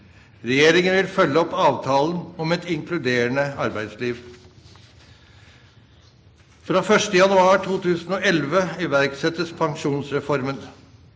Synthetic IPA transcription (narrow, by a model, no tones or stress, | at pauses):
ɾɛjeːɾɪŋənʋɪlfœlːəɔpːɑːʋt̪ʰɑːln̩ɔmɛt̪ɪŋkʰlʉd̪eːɾəɳəɑɾbæɪd̪sliːʋ | fɾɑːfœʂʈəjɑnʉɑːʈʰuːt̪ʉːsn̩oːɛlʋəɪʋæɾksɛt̪əspʰɑŋʂuːnsɾɛfɔɾmən